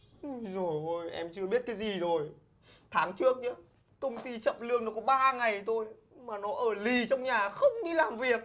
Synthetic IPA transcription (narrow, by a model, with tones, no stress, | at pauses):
ʔzo˨˩jʔo˧˩jʔɛ̰˧mt͡ɕɨ˧ə˧ɓi˦˥ət̚kaː˨˦jzi˨˩zo˨˩j | t̪ʰaː˨˦ŋt͡ɕɨ˦˥ək̚ɲɨ˧˦ | kə˧wŋ͡mt̪i˧t͡ɕə̰˧˨mlɨ˧əŋnɔ˨˦kɔ˨˦ɓaː˧ŋa˨˩jt̪o˧j | maː˨˩nɔ˨˦ʔəː˧˩li˨˩t͡ɕɔ˧wŋ͡mɲaː˨˩xə˧wŋ͡mɲi˧laː˨˩mvi˨˩ək̚